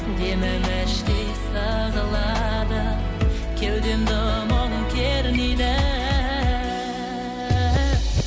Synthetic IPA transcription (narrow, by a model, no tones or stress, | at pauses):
d̪emɪmæʃt̪ejsɑ | zəlˠɑd̪ə | kʲʰewd̪end̪omonəŋkʲʰeɾnid̪æ